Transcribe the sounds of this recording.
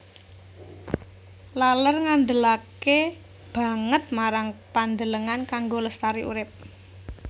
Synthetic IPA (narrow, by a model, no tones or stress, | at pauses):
lalərŋand̪əlake | b̥ä̤ŋət̪̚maɾaŋpand̪ələŋankaŋɡoləst̪aɾiʔṵɾɪp̚